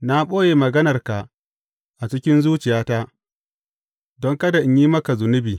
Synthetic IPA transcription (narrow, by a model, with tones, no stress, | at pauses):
na˦ɓoː˦je˨mɐ˨ɡɐ˦nɐ˨rka˨ʔ | ʔa˨t͡ʃɪ˦kʲɪ˦nzuː˦t͡ʃɪ˨jaː˦ta˦ʔ | dɔ˦ŋkɐ˦da˨ʔɪ˦ɲjiː˦mɐ˦ka˨zʊ˨nɪ˦biː˨